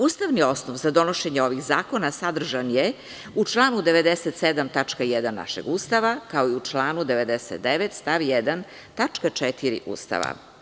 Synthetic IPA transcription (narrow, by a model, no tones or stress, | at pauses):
ust̪aʋnio̞snoʋzad̪o̞no̞ʃeɲeo̞ʋixzaːko̞nasad̪r̩ʒanje | ut͡ʂlˠaːnud̪e̞ʋed̪eset̪sed̪amt̪at͡ʂkajɛd̪anːa̰ʃḛɡust̪aʋakao̞iut͡ʂlˠaːnud̪eʋe̞d̪eset̪̚d̪eʋet̪st̪aʋjɛd̪an | t̪at͡ʂkat͡ʂɛt̪iɾḭʔṵːst̪a̰ʋa̰